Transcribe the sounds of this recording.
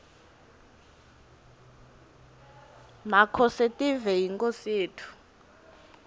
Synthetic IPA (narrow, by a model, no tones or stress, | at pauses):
makʰɔsɛtʼivɛjiŋkʼoseːtʰu̥